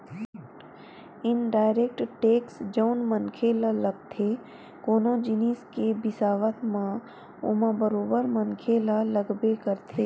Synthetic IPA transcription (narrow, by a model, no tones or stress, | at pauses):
ɪnɖaːɪɾeːk̚ʈʈeːksd͡ʒoʊnmənkʰelaləɡ̚t̪ʰe | koːnõd͡ʒɪniːskebɪsaːʋət̪mã | ʊ̰mãbəɾoːbəɾmənkʰelaləɡbekəɾt̪ʰeː